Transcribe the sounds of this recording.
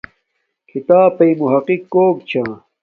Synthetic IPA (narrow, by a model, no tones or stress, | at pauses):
kʰit̪aːpɐjmuɦɐqikːoːk̚t͡ɕʰãː